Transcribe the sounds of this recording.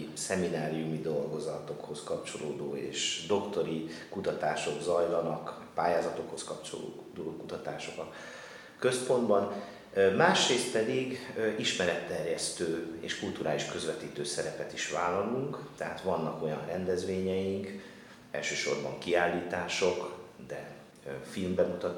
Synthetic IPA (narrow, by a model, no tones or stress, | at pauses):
sɛminaːɾiumid̪o̞lɡo̞zɒt̪o̞kho̞skɒpt͡ʃo̞loːd̪oːḛːʃd̪o̞kt̪o̞ɾikut̪ɒt̪aːʃo̞ɡzɒjlɒnɒk | paːjaːzɒt̪o̞kho̞skɒpt͡ʃo̰lo̰ | d̪oːkut̪ɒt̪aːʃo̞kɒ | kø̞spo̞nd̪bɒn | maːʃreːst̪̚pɛd̪iɡiʃmɛɾɛt̪ːɛrjɛst̪øːeːʃkult̪uɾaːliʃkø̞zʋɛt̪iːt̪øːsɛɾɛpɛt̪iʃʋaːlɒluŋkt̪ɛɦaːt̪ʋɒnːɒko̞jɒnrɛnd̪ɛzʋeːɲɛjiŋk | ɛ̰lʃøːʃo̞̰rbɒ̰ŋkiaːlːiːt̪aːʃo̞kd̪ɛ | filmbɛmut̪ɒ